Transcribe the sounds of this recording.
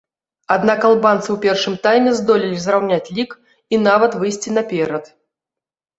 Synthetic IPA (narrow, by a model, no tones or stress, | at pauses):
ad̪nakalˠbant̪sɨwpʲɛrʂɨmt̪ajmʲɛzd̪ɔlʲilʲizɾawnʲat͡sʲlʲik | inavɐt̪vɨjsʲt͡sʲinɐpʲɛɾɐt̪